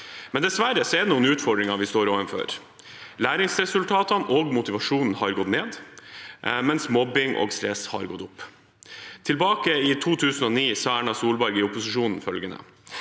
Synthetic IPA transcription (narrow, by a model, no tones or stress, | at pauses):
mɛnd̪ɛsʋæɾəsɔɛd̪ɛnuːənʉːt̪fɔɖɾɪŋɑʋɪst̪oːɾoːʋənfœ̰ɾ | læːɾɪŋsɾɛsʉlt̪ʰɑːt̪ɑnɔɡmʊt̪ɪʋɑʂuːnn̩hɑɾɡɔt̪neːd̪ | mɛnsmɔbɪŋʔo̰ɡst̪ɾɛshɑ̰ɾɡɔt̪ːʊpː | t̪ʰɪlbɑːkəɪt̪ʰuːt̪ʰʉːsn̩ɔːniːsɑæɳɑsuːlbɑɾɡɪʊpʊsɪʂuːnn̩fœlɡənə̰